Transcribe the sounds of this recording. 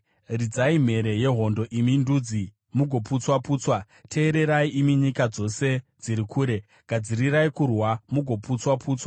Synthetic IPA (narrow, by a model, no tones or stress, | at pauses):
rid͡zaim̤e̞ɾe̞je̞ɦo̞ndo̞ʔimindud͡zi | muɡʱo̞put͡swapuːt͡swa | tʰe̞ːɾe̞ɾaiʔimiɲikad͡zo̞se̞d͡ziɾikʰuːɾe̞ | ɡ̥ʱad͡ziriraikurwamuɡʱo̞put͡swapuːt͡swa